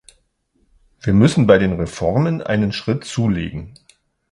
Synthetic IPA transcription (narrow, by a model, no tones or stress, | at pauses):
viːɐmʏsn̩baɪdeːnʁefɔɐmənʔa̰ɪnənʃʁ̥ɪtt͡suːlḛːɡŋ̩